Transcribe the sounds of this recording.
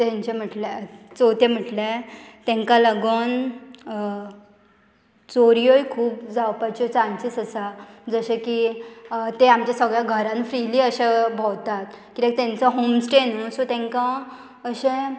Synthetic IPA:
t̪ɛ̃ɲt͡ɕem̤əʈlet͡sot̪em̤əʈlet̪ɛ̃ŋkãləɡon | t͡soɾijojkʰuːpd͡zawpajt͡ɕɔt͡sãnt͡ɕit͡səsad͡zəɕeki | t̪eamt͡ɕjasəɡɭjaɡʱəɾãnfɾiliːəɕebʱawt̪at̪̚kiɾẽk̚t̪ɛ̃nt͡səɦomsʈenusot̪ɛ̃ŋkã | əɕẽ

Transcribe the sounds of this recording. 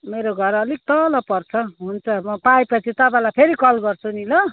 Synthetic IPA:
meɾoɡʱʌɾʌliɡ̚t̪ʌlʌpʌrt͡sʰʌɦunt͡sʰʌbʌpaepʌt͡sʰit̪ʌpãlajpʰeɾikʌlɡʌrt͡sʰunilʌ

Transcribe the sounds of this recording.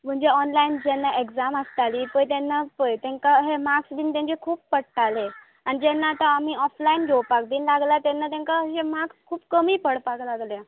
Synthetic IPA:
m̤əɳd͡ʑeɔnlaind͡ʑɛnːaʔekd͡zaməst̪aliːpəjt̪ɛnːapəjt̪ɛ̃ŋkaɦemaksd̪iːnt̪ãɲt͡ɕekʰuːpːəɽʈale | anid͡ʑɛnːat̪əamiːɔflainɡʱewpakd̪iːnlaɡlat̪ɛnːat̪̬ãŋkaɦemakskʰuːpkəmiːpəɽpaklaɡlja

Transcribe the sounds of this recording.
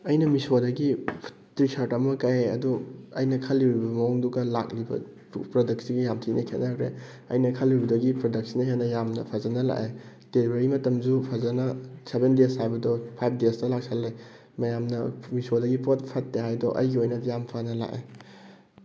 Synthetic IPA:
ɐjnɐmisodɐɡi | tɾisʰaɾtɐmɐkajeɐ̰duɐjnɐkʰɐlːiɾibɐmɐŋduɡɐla̰k̚libɐ̰ | pɾodɐk̚siɡijamtʰinʔɐkʰenaɐkɾḛ | ɐ̰jnɐkʰɐlibɐdɐɡipɾodɐk̚sinɐɦenɐjamnɐ̰pʰazɐnɐla̰ʔe | d̥elibeɾimɐtɐmd͡ʒupʰazɐnɐsebendeshajbɐdɔpʰajp̚ʰdestɐlak̚sʰalːe | mɐjamnɐmisodɐɡipot̚pʰɐtːeɦajdɔʔɐ̰jɡiojnɐjampʰanɐla̰ʔḛ

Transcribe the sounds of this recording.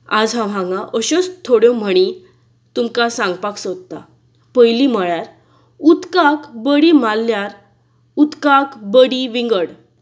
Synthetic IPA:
ad͡zɦãʋãŋɡaʔəɕɔt͡st̪ʰoɽjɔ̃m̤əɽ̃i | t̪umkasãŋɡpaksod̪̚t̪a̰ | pəjliməɭjaɾ | ut̪kakbəɽimalːjaɾ | ut̪kakbəɽiʋiŋɡəɽ

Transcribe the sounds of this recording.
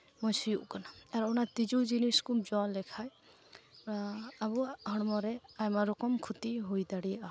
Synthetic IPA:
mɔjsijuʔkɔnaaɾnat̪id͡ʒud͡ʒiniskud͡ʒɔnlɛkʰaj | aabuhɔɽmɔɾɛajmaɾɔkɔmkʰut̪iɦojd̪aɽia

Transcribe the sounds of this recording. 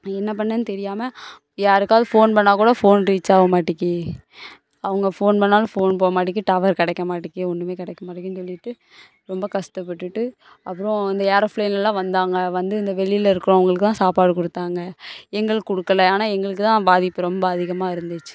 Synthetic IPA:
ɛnːɐp̬ɐɳːɐnːt̪ɛɾɪjaːmɐ | jaːɾɯkːaːʋðɯfoːnpɐɳːaːkuːɽɐfoːnɾiːt͡ʃːaːʋɐmaːʈːɪkːɯ | ɐʋɐŋɡɐfoːnpɐnːaːlɐ̃foːnpoːɐmaːʈ̬ːɪk̬ːɯʈɐːʋɐɾkɐɽɛkːɐmaːʈːɪkːɯɔɳɖɯmeːkɐɽɛkːɐmaːʈːɪkːɯnsɔlːɪʈːɯ | ɾɔmbɐkɐʂt̪ɐpːɐʈːɯʈːɯ | ɐpːɯɾõɪnd̪ɐjaːɾɐfleːnlɐlãːʋɐnd̪aːŋɡɐʋɐnd̪ɯɪnd̪ɐʋɛɭɪlɐɪɾɯkːɯɾõɐʋɐŋɡɐɭɯkːɯt̪ãːsaːpaːɽɯkɔɽɯt̪ːaːŋɡɐɛŋɡɐɭɯːɔɽɯkːɐlɐaːnaːɛŋɡɐɭɯk̬ːɯt̪ãːbaːðɪpːɯɾɔmbɐːðɪɣɐmaːɪɾɯnd̪ɯt͡ʃːɯ̥

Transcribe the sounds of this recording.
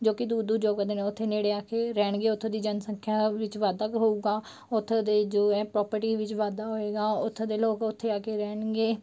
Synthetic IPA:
d͡ʒoːkɪd̪uːd̪uːd͡ʒoːkəd̪eːnẽːʊt̪ʰːeːneːɽeːaːkeːɾɛːɳɡeːʊt̪ʰːeːd̪iːd͡ʒənsəŋkʰjaːʋɪt͡ʃʋaːd̪akɦoːuːɡaː | ʊt̪ʰːed̪eːd͡ʒoːɛ̃ːpɾɔːpəɾʈiːʋɪt͡ʃʋaːd̪aːɦoːeːɡaːʊt̪ʰːed̪eːloːkʊt̪ʰːeːaːkeːɾɛːɳɡeː

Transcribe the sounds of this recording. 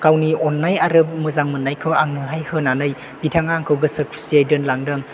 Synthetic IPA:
kawniɔnːajaɾɯp̚mɯzaŋmɯnːajkʰɯwaŋnɯɦajhɯnanɯj | bitʰaŋaŋkʰɯwɡɯsɯkɾisiajdɯnlaŋdɯŋ

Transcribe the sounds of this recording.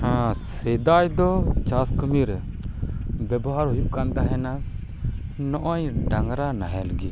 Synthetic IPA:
hãsɛd̪ajd̪ɔt͡ʃaskəmiɾ | bɛbɔɦaɾɦujuʔkand̪aɦɛna | nɔʔɔɲɖaŋɾanaɦɛləɡi

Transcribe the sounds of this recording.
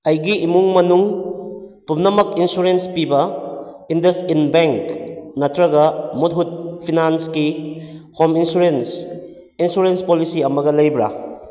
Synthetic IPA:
ɐjɡiːmuŋmɐnuŋ | pumnɐmɐkinsuɾenspibɐ | indɐsinbeŋknɐtɾɐɡɐmut̚ɦud̚pʰinanskihʰɔminsuɾens | insuɾenspolisiɐmɐɡɐlɐjbɾa̰

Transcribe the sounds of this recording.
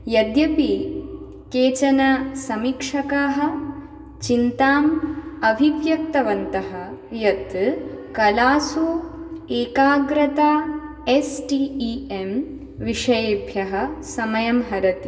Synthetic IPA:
jɐd̪jɐpi | keːt͡ʃɐnɐsɐmikʂɐkaːɦɐ̆ | t͡ʃint̪aːmɐbʱiʋjɐk̚t̪ɐʋɐnt̪ɐɦɐjɐt̪kɐlaːsuːeːkaːɡɾɐt̪a | esʈiiem | ʋiʂɐjeːbʱjɐɦɐsɐmɐjɐmɦɐɾɐt̪i

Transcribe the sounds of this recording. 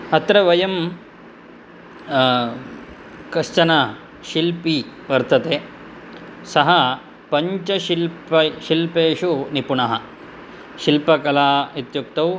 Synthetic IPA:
ɐt̪ɾɐʋɐjɐm | kɐʂt͡ʃɐnɐ | ʃilpiʋɐɾt̪ʰɐt̪e | sɐɦɐ | pɐɲt͡ʃɐʃilpɐʃilpeːʂunipuɳɐɦɐ | ʃilpɐkɐlaːit̪juk̚t̪ɐw

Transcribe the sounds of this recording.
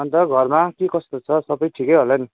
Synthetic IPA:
ʌnt̪ʌɡʱʌrmakekʌst̪ot͡sʰʌsʌbʌjʈʰikʌjɦolʌni

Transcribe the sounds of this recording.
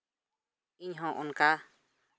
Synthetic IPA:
iɲɦɔ̃ʔɔnka

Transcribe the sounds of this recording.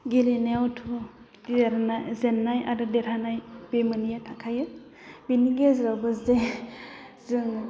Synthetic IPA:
ɡileneawtʰu | ɾanazenːajaɾɯdeɾanajbemanijatʰakʰajɯ | biniɡezɾabɯzde | zɯŋ

